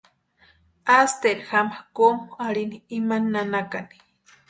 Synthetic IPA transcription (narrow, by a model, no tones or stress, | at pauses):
ast̪eɾixamakomuaɽiniːmanːanakani̥